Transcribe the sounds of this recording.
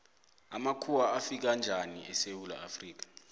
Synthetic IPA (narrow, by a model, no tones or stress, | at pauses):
amakʰuwaːfik̬and͡ʒʱaniʔɛsewula̰ʔafriːk̬ḁ